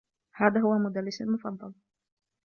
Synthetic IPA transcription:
haːðaːɦʊwamʊd̪alːɪsalmʊfɑd̪ˤːɑl

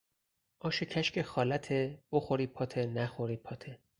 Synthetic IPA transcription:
ʔɒːʃecʰæʃcʰexɒːlæt̪ʰeb̥oxoɾiːpʰɒːt̪ʰenæxoɾiːpʰɒːt̪ʰe

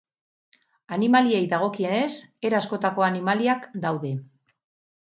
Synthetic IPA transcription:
animalie̞jðaɣ̞o̞kiene̞se̞ɾasko̞t̪ako̞animaliakd̪awðe̞

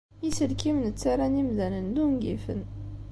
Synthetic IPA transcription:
jisəlkimənət͡sːaɾˤænimðænənd̪uŋɡḭfə̰n

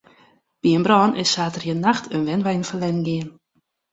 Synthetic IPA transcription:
b̥iənbrɔːnʔɪsːaːtərjənaxtʰənʋɛnʋɛjnfəlɛnɡɪən

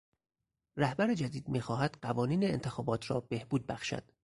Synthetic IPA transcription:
ræhbæɾed͡ʒæd̪iːd̪miːxɒːɦæd̪̥ɢævɒːniːneːnt̪ʰe̞xɒːbɒːt̪ʰɾɒːbe̞hb̥uːd̪̚bæxʃæ̰d̪̥

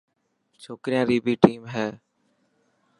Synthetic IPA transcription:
t͡ʃʰoːkɾɪjãːɾiːbiːʈiːmɦɛː

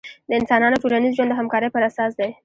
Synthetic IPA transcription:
d̪̥əɪnsɑnɑnoʈuɾanizʒwand̪əɦamkɑɾəjpəɾasɑsd̪aj

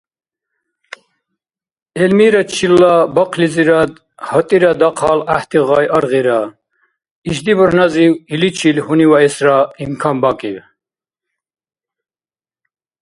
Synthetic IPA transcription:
ɛlmiɾat͡ʃʰilːabɔqʰliziɾad̪ | hɔt̪ʼiɾad̪aqʰɑlaht̪ʰʼiʁɑjʔəɾʁiɾa | iʃd̪ibəɾnaziwilit͡ʃʰilhuniwaɛsɾaimkʰambakʼiw

